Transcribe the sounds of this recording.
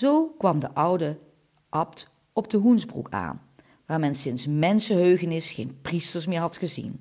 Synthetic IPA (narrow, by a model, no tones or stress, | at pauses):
zowkʋɑmdəʔʌwdə | ʔɑpt | ɔb̚dəɦunzbrṵka̰ːn | ʋaːɹmɛnsɪnsmɛnsəɦøɥχənɪsχejnpristəɹsmɪːɹɦɑtχəzḭn